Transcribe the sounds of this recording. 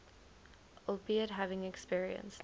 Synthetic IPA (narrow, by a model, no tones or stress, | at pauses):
ʔopiəd̚ɦævɪ̃ŋɛkspiɹiə̰̃ns